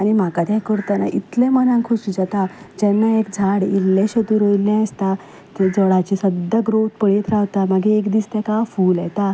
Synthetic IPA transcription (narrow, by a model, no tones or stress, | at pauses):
añim̤akat̪ɛ̃kəɾt̪ana̰ʔit̪lẽmənãŋkʰuɕud͡zat̪ad͡ʑɛ̃nːaekd͡zʱaɽilːeɕət̪uɾojilãəst̪a | t̪ed͡zɔɭat͡ɕisəd̪aɡɾot̪̚pəɭet̪ɾaʋt̪amaɡeːkd̪iːst̪ɛkafuːljɛt̪a